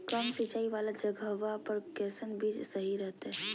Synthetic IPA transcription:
kəmsit͡ʃaːiʋaːlad͡ʒəɡʱəʋapəɾkɛːsənbiːd͡ʒsəɦiɾɛɦt̪ɦɛ

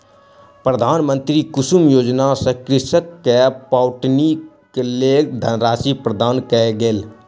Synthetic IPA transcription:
pɾəd̪ʱaːnmə̃nt̪ɾikʊsumjoːd͡ʒnasəkɾɪsəkːepaːwʈni | keleːd̪ʱənɾaːsipɾəd̪aːnkɛeɡel

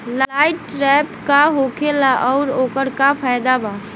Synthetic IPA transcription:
llaːɪʈːɾɛːpkaɦoːkʰelaʔɔːɾoːkəɾkafʰaːjd̪abaː

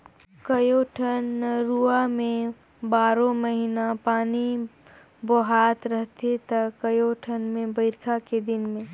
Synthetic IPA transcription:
kɐjoʈʰənɾuamẽ | baːɾõmɐɦinapaːni | boɦaːt̪ɾɐɦt̪et̪ɐkɐjoʈʰənmẽbəɪɾkʰaked̪ɪnmẽ

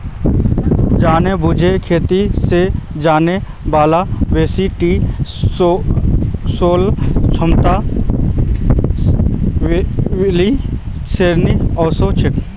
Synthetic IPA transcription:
d͡ʒaːnebʊd͡ʒʱekʰeːt̪ised͡ʒaːne | baːlaʋeːsiʈiː | soːlt͡ʃʰʊmt̪a | li | seɾniɔːsot͡ʃʰɪk

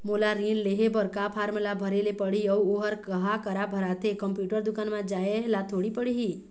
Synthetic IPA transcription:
molaɾĩɖleɦebəɾkapʰaɾmlabʱəɾelepəɽiəwoɦəɾkəɦakəɾabʱəɾat̪ʰekəmpjuʈəɾd̪ʊkanmãd͡ʒaelat̪ʰoɽipəɽiɦi

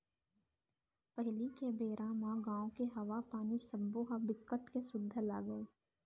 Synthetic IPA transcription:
pəɦlikebeːɾʔaːmãɡãːõkeɦɐʋapaːnisɐmboːɦabɪkːəʈkesʊd̪ʱːəla̰ːɡəeː

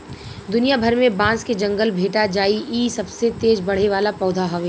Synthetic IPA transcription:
d̪ʊnijabʱɐɾmẽbãːsked͡ʒɐ̃ŋɡəlbʱeːʈad͡ʒaːiʔiːsɐbset̪eːd͡ʒbɐɽ̤eʋaːlapɔːd̪ʱaɦɔʋe

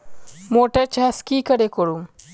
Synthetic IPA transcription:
moʈəɾt͡ɕaskikəɽekoɽum

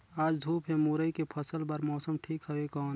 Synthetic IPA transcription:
aːd͡ʒd̪ʱuːpɦẽmuɾəikepʰəsəlbəɾmɔːsəmʈʰiːkɦəekɔːn

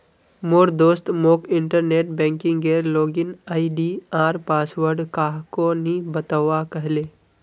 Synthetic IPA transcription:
moːɾd̪oːst̪moːkɪɳʈəɾneːʈ̚bɛ̃ːŋkɪ̃ŋɡɡeːɾloːɡɪnaːiɖiaːɾpaːsʋəɾɖkaːɦkonibət̪əʋakəɦleː

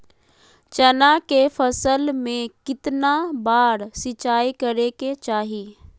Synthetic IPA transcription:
t͡ʃɐnakefʰəsəlmẽkɪt̪nabaːɾsɪt͡ʃaːikəɾeket͡ʃaːɦiː

